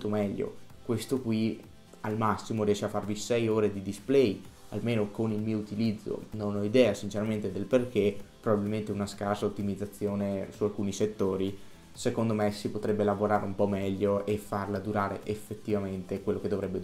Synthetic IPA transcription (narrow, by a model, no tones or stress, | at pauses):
t̪omɛʎːo̰kwest̪okwi | almasːimorijɛːʃeafːarvisɛjoːɾed̪id̪isplɛj | a̰lmeːnokonilmiːout̪ilid̪zːo̰nonɔid̪ɛːasint͡ʃeɾament̪ed̪elperkepːɾobabilment̪eunaskarsaot̪ːimid̪zːat̪sːjoːnesualkuːniset̪ːoːɾi | sekond̪omesipot̪ɾɛbːelavoɾaːɾeumpɔmɛʎːoefarlad̪uɾaːɾḛʔefːet̪ːivament̪ekwelːoked̪ːovɾɛbːe